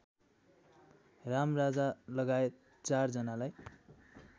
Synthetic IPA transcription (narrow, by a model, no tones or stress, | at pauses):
ramrad͡zalʌɡaet̪̚ | t͡sard͡zʌnalaj